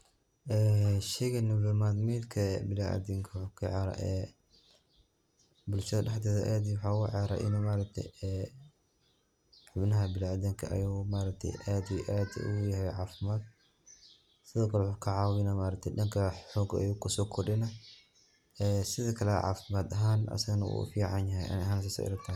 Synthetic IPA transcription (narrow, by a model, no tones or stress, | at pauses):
ʔɛːʃɛɣɐnɔvɛmad̪miːd̪kʰɐbɪlaʔa̰d̪iŋkʰɐwħukʰɐʕɛɾɐ̰ʔɛ̰ | bʊlʃɐðɐɖɛħt̪ɛːðɐʔaːd̪ijwʊħaʊʕɛɾɐ̰ʔɪ̰nɔmaːɾɐk̚t̪ʰɛ̰jɛ | ħʊbnɐɦɐbɪlaad̪iŋkʰɐ̰ʔɐ̰joːmaːɾɐk̚t̪ʰɛ̰jʔaːd̪iʔaːd̪̰ʔʊ̰jɐhɛjʕaːfɪmaːd̪ | sɪðɔːkʰɐlwħʊkʰɐʕaːwɪnɐmaːɾɐk̚t̪ʰɛɗɐŋkʰɐħɔːɡɐ̰joːkʰʊsɔːkʰɔɗɪnɐ | ɛsɪðɐkʰɐlɛʕa̰ːfɪmaːd̪ɐɦaːnʔɐ̰sɐɣɐnɐwṵfiːʕɑnjɐɦɛjʔɐ̰nɦaːnsɐsɔ̰ːʔɪ̰ɾɐkt̪ʰaː